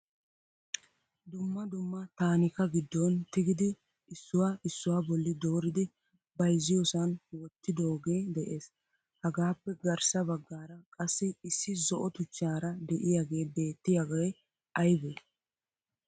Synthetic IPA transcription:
d̪ʊmːɐd̪ʊmːɐt̪aːnɪkɐɡɪd̪ːɔnt̪ɪɡɪd̪ɪ | ɪsːʊwaːʔɪsːʊwaːbɔlːɪd̪o̞ːɾɪd̪ɪ | bɐjzɪjɔsɐnwɔt̪ːɪd̪oːɡe̞ːd̪ɛʔe̞ːs | hɐɡaːpːɛɡɐɾsɐbɐɡːaːɾɐkʼɐsːɪɪsːɪzɔʔɔt̪ʊt͡ʃːaːɾɐd̪ɛʔɪjaːɡe̞ːbe̞ːt̪ːɪjaɡɐj | ɐjbe

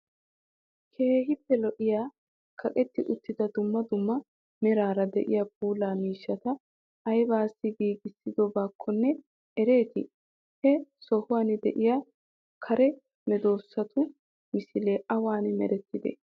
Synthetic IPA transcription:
kʰe̞ːɦɪpːɛlɔʔɪjaː | kʰɐkʼɛt̪ːɪʔʊt̪ːɪd̪ɐd̪ʊmːɐd̪ʊmːɐ | mɛɾaːɾɐd̪ɛ̰ʔɪjaːb̚uːlaːmiːʃːɐt̪ɐ | ʔɐjbaːsːɪɡiːɡɪsːɪd̪ɔbaːkʰːɔnːɛ | ʔɛɾe̞ːt̪ɪ | hɛsɔhʊwaːnɪd̪ɛ̰ʔɪja | kʰɐɾɛ | mɛd̪oːsːɐt̪ʰʊ | mɪsɪleːʔɐwaːnmɛ̰ɾɛt̪ːɪd̪ḛː

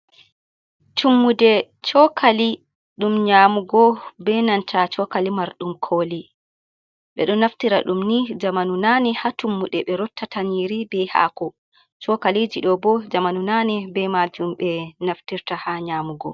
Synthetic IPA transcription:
tʰumːudɛ | t͡ʃɔkʰali | ɗumɲaːmuɡɔbɛnantʰat͡ʃɔkalimaɾɗumkʰoːli | ɓɛ̰ɗɔnaftiɾa̰ɗumnid͡ʒamanunanɛhatumːuɗɛɓɛɾɔtːatʰaniɾibɛha̰kɔ | t͡ʃɔkalid͡ʒiɗɔbɔd͡ʒamanunanɛbɛmad͡ʒumɓɛnaftiɾtahaɲaːmuɡɔ̰

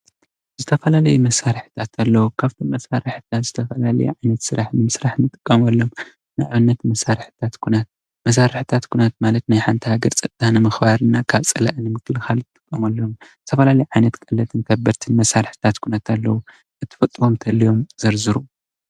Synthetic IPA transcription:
zɨt̪ʰɐfɐlalɐjumɐsaɾɨħɨ̥t̪ʰat̪ʰalːɐwukʰaβt̪ʰinmɐsaɾɨħɨt̪ʰat̪zɨt̪ʰɐfɐlalɐ̰jṵʕajnɐt̪sɨɾaħnɨmɨsɾaħnɨt̪ʼɨkʼːɐmɐlːo̞m | nɨʔaβɨnːɐt̪mɐsaɾħɨ̥t̪ʰat̪kʰunat̪̚ | mɐs̬aɾɨħɨt̪ʰat̪kʰunat̪malɐt̪najħant̪ʰihaɡɐɾt͡sʼɐt̪ʼt̪ʰːanɨmɨxbaɾɨnːakʰaβt͡sʼɐla̰ʔnɨmɨkʰːɨlxalɨt̪ʼɨ̥kʼːɐmɐlːomz̥ɨt̪ʰɐfɐlalɐjuʕajnɐt̪kʼɐlːɐt̪ʰɨnk̪ʰɐbːɐɾt̪ʰɨnmɐsaɾħt̪ʰat̪kʰunat̪ʰalːɐwu | ʔɨt̪ʰːɨ̥fɐt̪ʼɨwo̞mt̪ʰɐlːijo̞mzɐɾzɨɾu

